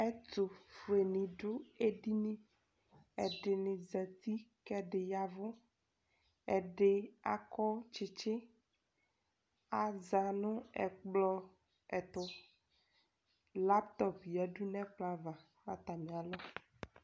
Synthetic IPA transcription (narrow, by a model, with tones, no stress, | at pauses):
ɛ˦tʊ˨fʊ˨e˨nĩ˨ɖʊ˦e˦ɖi˦nĩ˦ | ɛ˨ɖɪ˨nɪ̃˨zɛ˨t̪i˦kɛ˦ɖɪ˨ja˨vʊ˦ | ɛ˨ɖɪ˦a̰˨kɔ˦t͡ʃɪ˨t͡ʃɪ˦ | a˨za˨nʊ̃˦ɛ̰˨k͡plɔ˦ | ɛ˨t̪ʊ˦ | la˦pt̪ɔ˦pja˨ɖu˦nɛ̃˦k͡pla˦va˨ | a˦t̪a˨mĩ˨a˨lɔ˦